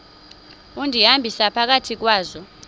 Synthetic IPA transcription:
undʱiɦambʱisapʰak̬atʰik̬waːzɔ

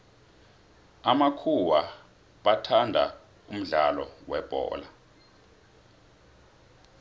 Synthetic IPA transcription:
amakʰuwa | ɓatʰandʱa | um̩ɮalɔ̰wɛb̥ʱɔ̰ːla

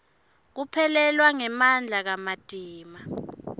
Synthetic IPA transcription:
k̬upʰɛlɛlwaŋɛmand͡ɮʱak̬amad̥ʼʱiːma

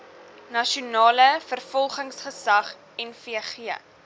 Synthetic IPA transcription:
nɐʃunɑːləfərfɔlˠχəŋsχəsɐχ | ɛnfiəχiə

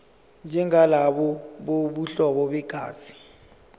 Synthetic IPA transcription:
nd͡ʒʱɛŋalaɓɔɓoɓuɬɔɓɔɓɛɡ̥ʱa̰ːz̥i̥

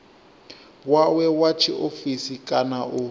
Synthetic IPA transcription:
wawɛwat͡ʃʰiʔofisikʼanaʔʊ

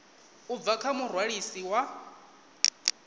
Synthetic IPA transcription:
ub̪vakʰamurwaɺisiwa

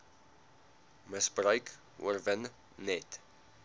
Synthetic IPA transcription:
məsbrəɥk | ə̰rvənː | ɛt

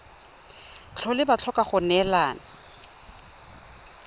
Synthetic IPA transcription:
t͡ɬʰɔlɪbat͡ɬʰɔkʼaχʊnɛlaːna

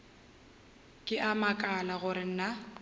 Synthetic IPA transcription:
kʼɪʔamakʼalaɣʊɾɪn̩na

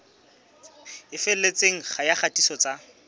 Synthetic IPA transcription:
ɪfɪl̩let͡sʼeŋ̩χajaχatʼisɔt͡sa

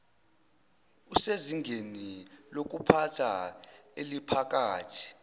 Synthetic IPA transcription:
useziŋɡʱenilok̬upʰatʰa | elipʰak̬ʼaːtʰi̥

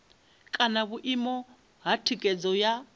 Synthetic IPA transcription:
kʼanaβuʔimɔ | ɦatʰikʼɛd͡zɔja

